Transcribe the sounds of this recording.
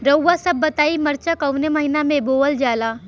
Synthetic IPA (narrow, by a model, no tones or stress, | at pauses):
ɾəwːasəbːət̪aːiməɾt͡ʃakɐwneməɦinamẽboəld͡ʒaːla